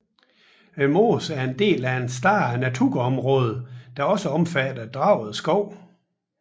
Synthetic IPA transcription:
emo̝ːsæɐe̝nd̥e̝̰ːlæensd̥ɑ̈ːnæt͡sʰuɡɒ̽mʁɔ̽ːð̞ˠəd̥ɑ̈ɒ̽səɒ̽mfæd̥ɐd̥ʁɑ̈ʊ̰ð̞̩ˠsɡ̥ɒʊ̰

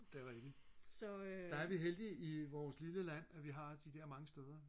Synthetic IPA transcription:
d̥eɐʁɛɡ̥isɒd̥ɑ̈æɐʋiɦeld̥iiʋɒːsliləlæn̰æʋiɦɑ̈d̥id̥ɛɐmɑ̈ŋəsd̥eð̞ˠɐ

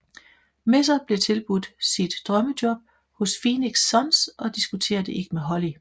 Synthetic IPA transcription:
me̝s̬ɐb̥le̝t͡sʰe̝lb̥ud̥sid̥ːʁɶməd̥jɒ̽b̥̚ | hɔ̽sfiːniɡ̥sːɒ̽nsʔɒ̽d̥isɡ̥ut͡sʰe̝̰ːɐd̥əʔe̝ɡ̥əmeɦɒ̽li

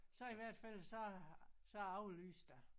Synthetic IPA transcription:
sɒ̽iʋæɐ̰d̥fæl̰sɒsɒ̽ɑ̈ʊly̰ːsd̥æ

